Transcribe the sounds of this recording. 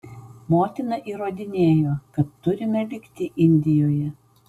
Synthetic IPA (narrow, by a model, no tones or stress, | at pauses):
moːt̪ʲɪnɐʔiːɾoːd̪ʲɪnʲeːjoːkɐt̪ːʊɾʲɪmʲɛlʲɪkt̪ʲɪʔɪnʲd̪ʲɪjoːjɛ